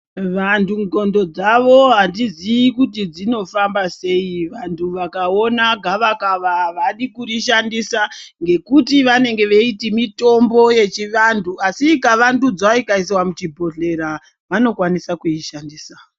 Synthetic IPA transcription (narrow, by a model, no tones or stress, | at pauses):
ʋantʰuŋɡʱo̞ndo̞d͡zaʋo̞ɦandiziikutid͡zino̞fambase̞iʋantʰuʋakao̞naɡʱaʋakaʋaʋaɗikuriʃandisaŋɡe̞kutiʋane̞ŋɡe̞ʋeitimito̞mbo̞je̞t͡ʃiʋantʰuasikaʋandud͡zaikais̬wamut͡ʃibʱo̞ɮe̞ɾa | ʋano̞kwanisakuiʃandiːsa